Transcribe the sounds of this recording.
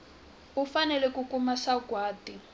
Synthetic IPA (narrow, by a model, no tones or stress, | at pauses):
ufanɛlɛkukumaʃaɡwaːti